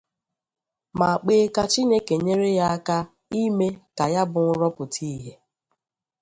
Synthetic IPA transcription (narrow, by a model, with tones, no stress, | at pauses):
ma˨k͡peː˦ka˦t͡ʃi˦ne˦ke˨ɲe˦ɾe˦ja˦a˦ka˦ | i˦me˦ka˨ja˦bʊ˨ŋ̩˦ɾɔ˦pʊ˨tʰiː˦ɦe˦